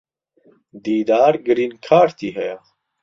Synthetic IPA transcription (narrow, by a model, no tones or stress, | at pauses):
d̪iːd̪aːɾɡɨɾiːnkʰaːɾt̪iːɦɛja